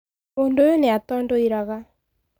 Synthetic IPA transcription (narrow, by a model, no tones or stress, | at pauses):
oːndojoneatɔːndoiɾaɣa